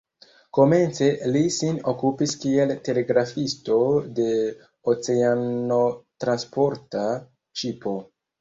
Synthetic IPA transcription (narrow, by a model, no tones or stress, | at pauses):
ko̞me̞nt͡se̞lisinokupiskie̞lte̞le̞ɡɾafisto̞de̞ | ot͡se̞ano̞tɾanspo̞ɾta | ʃipo̞